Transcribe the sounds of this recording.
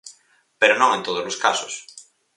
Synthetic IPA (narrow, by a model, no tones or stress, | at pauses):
peɾonõŋẽnt̪oðozloskaso̥s